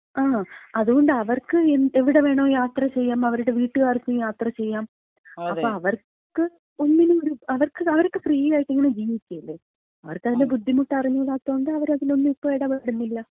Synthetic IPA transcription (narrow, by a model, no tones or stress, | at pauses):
aːɐðuɣo̞ɳɖɨɐʋɐrkɨeneʋiɽe̞ʋe̞ːɳoːjaːt̪rɐt͡ɕe̞jːaːmɐʋɐɾuɽe̞ʋiːʈːɨɣaːrik̪ːujaːt̪rɐt͡ɕe̞jːaːm | ɐːoːɐʋɐr | kɨ | o̞nːinumoɾuɐʋɐrkɨɐʋɐɾrkːɨfriːjaːjiʈːiŋːɐɳe̞d͡ʑiːʋit͡ɕʲːɐilːe | ɐʋɐrkɐðinːebud̪ʱːimuʈːɨɐrɐɲːuulaːt̪ːoːɳɐɖɨɐʋɐɾɐðilo̞nːɨmipːoːeɽɐmɐɐɽunːilːɐ